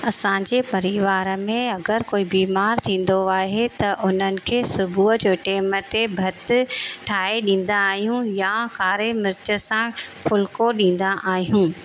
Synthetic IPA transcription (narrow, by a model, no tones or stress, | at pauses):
ɐsãːd͡ʑeːpɐɾiʋaːɾəmẽɐɡəɾkoːibiːmaːɾt̪ʰĩːn̆d̪oaːɦet̪ɐʔʊn̤ənɪ̆kʰeːsʊbʱuəd͡ʑoːʈɛːmət̪ebʱɐt̪ɪʈʰaːeɗĩːn̆d̪aːɦijũjakaːɾemɪɾɪt͡ɕə̆sãfʊlkoɗĩːn̆d̪aʔaːɦijũː